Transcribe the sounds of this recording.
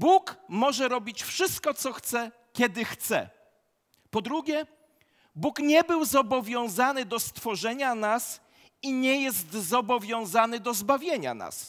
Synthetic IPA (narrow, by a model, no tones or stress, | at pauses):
bukmɔʐɛɾɔbʲit͡ɕfʂɘst̪̚kɔt̪sɔxt̪sɛ | kʲɛd̪ɘxt̪sɛ̰ | pɔd̪ɾuɡʲɛ | bukɲɛbɘwzɔbɔvʲjɔ̃w̃zanɘd̪ɔst̪fɔʐɛɲanas | iɲɛjɛst̪zɔbɔvʲjɔ̃w̃zanɘd̪ɔzbavʲjeɲa̰na̰s